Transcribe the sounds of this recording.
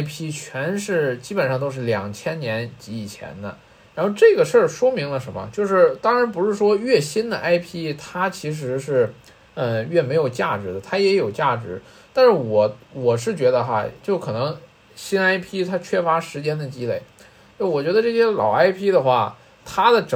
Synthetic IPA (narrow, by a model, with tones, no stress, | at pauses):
ɪpʰi˥t͡ɕʰɥɛ˧˥nʂɻ̩˥˩t͡ɕi˥pə˨˩nʂɑ˥˧ŋt̪o˥ʊʂ̬ɻ̩˥˩ljɑ˨˩ŋt͡ɕʰjɛ˥nnjɛ˧˥nt͡ɕi˧˥i˨˩t͡ɕʰjɛ̰˧˥nd̪ə̰˧ | ɻa˧˥nxo˥˧ʊʈ͡ʂɤ˥˩ɡə˩ʂɤ˥˩ʂwɔ˥mi˧˥ŋlə˧ʂə˧˥nmə̰˧t͡ɕjo˥˧ʊʂɻ̩˥˩t̪ɑ˥ŋɻa˧˥npu˧˥ʂɻ̩˥˩ʂwɔ˥ɥɛ˥˩ɕi˥nd̪ə˨ʔa˥ɪpʰi˥t̪ʰa˥t͡ɕʰi˧˥ʂ̬ɻ̩˧˥ʂɻ̩˥˧ | ə˧ɥɛ˥˩me˧˥ɪjo˨˩ʊt͡ɕja˥˩ʈ͡ʂɻ̩˧˥d̪ə˨t̪ʰa˥jɛ˧˥jo˨˩ʊt͡ɕja˥˩ʈ͡ʂɻ̩˧˥ | t̪a˥˧nʂɻ̩˥˩wɔ˨˩˦wɔ˨˩ʂɻ̩˥˩t͡ɕɥɛ˧˥d̪ə˧xa̰˧t͡ɕjo˥˩ʊkʰɤ˨˩nɤ˧˥ŋ | ɕi˥na˥ɪpʰi˥t̪ʰa˥t͡ɕʰɥɛ˥fa˧˥ʂɻ̩˧˥t͡ɕjɛ˥nd̪ə˨t͡ɕi˥le˥˩ɪ | o˥˩˥wɔ˨˩t͡ɕɥɛ˧˥d̪ə˧ʈ͡ʂɤ˥˩ɕjɛ˥lɑ̰˨˩ʊa˥ɪpʰi˥d̪ə˨xwa˥˩ | t̪ʰa˥d̪ə˨ʈ͡ʂ